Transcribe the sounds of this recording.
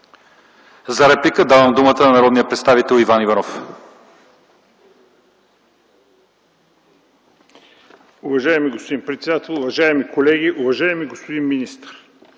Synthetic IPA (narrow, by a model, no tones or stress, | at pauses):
zɐɾɛplikəd̪avəmd̪umət̪ənɐnɐɾɔd̪nijəpɾɛt̪st̪avit̪ɛlˠivanivɐnɔf | ʊvɐʒaɛmiɡospod̪inpɾɛt̪sɛd̪at̪ɛlˠʊvɐʒaɛmikolɛɡiʔʊvɐʒaɛmiɡospod̪inminist̪ɾ